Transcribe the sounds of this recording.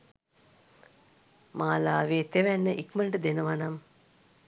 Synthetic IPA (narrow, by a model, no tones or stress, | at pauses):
maːlaːʋeːt̪eʋænːəʔikməɳʈəd̪enəʋanam